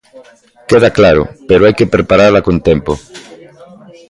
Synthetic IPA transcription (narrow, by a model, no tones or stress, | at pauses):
keðaklaɾʊ̰peɾoajkepɾepaɾaɾlakont̪empo